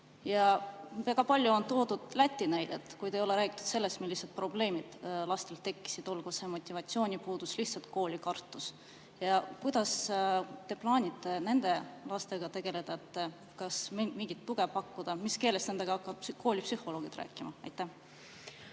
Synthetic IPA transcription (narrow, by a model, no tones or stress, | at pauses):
jɑvæɡ̥ɑpɑlʲjuont̪o̞ːd̪ud̪̥læt̪ʲːˑinæjd̪e̞t̪kujd̪e̞jo̞le̞ɾæːɡ̥i̥t̪ːu̥d̪se̞lːe̞st̪milːised̪̚pro̞ble̞ːmid̪̥lɑst̪e̞lt̪ːe̞kːi̥sid̪̥o̞lɡ̥use̞mo̞t̪ʲːivɑt̪sio̞ːnʲipuːd̪̥usliht̪sɑlt̪̚ko̞ːlʲikɑrt̪ːˑus | jɑkujd̪̥ɑst̪e̞plɑːnʲit̪ːˑe̞ne̞nd̪̥e̞lɑst̪e̞ɡ̥ɑt̪e̞ɡ̥e̞le̞d̪̥ɑet̪ːˑ | kɑsmmiŋɡit̪ːuɡ̥e̞pɑkːud̪̥ɑmiske̞ːlest̪nend̪e̞ɡ̥ɑɑkːˑɑbko̞ːlʲipsyho̞loːɡ̥it̪ræ̰ːkːˑimɑɑ̰jt̪ːæh